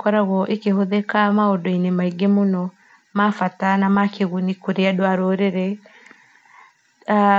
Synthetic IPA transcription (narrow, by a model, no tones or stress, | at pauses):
kɔɾaɣɔʔekehoðekamaodɔinemaiɡemonɔ | mafatanamakeɣunikoɾeadwaɾoːɾeɾɛ | a